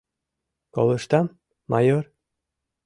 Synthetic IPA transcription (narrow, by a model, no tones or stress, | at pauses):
ko̰lɤ̆ʃt̪ɑmː | ɑjor